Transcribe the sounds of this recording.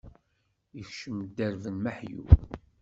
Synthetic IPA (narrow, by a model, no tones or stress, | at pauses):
əθʃəmd̪æɾvənməħjṵ